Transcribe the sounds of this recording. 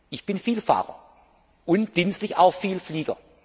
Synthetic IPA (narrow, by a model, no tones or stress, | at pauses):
ʔɪçb̥ɪnfiːlfa̰ːʁɐ̰ | ʔʊntd̥instlɪçʔa̰ʊxfiːlfliːɡ̥ɐ̰